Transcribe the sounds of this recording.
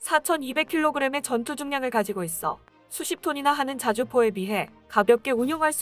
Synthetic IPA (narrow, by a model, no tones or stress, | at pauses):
sʰat͡ɕʰʌnibe̞kʰiɭːoɡɯɾe̞me̞t͡ɕʌntʰud͡ʑɯŋɲaŋɯɭkad͡ʑiɡois͈ʌ̰ | sʰuɕʰip̚tʰoɲinaɦanɯnt͡ɕad͡ʑupʰoe̞miɦe̞ | kabjʌp̚k͈e̞uɲjoŋɦaɭs͈